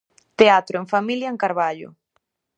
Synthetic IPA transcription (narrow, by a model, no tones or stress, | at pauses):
t̪eat̪ɾʊeŋfamiljaɐeŋkaɾβaʎʊ̰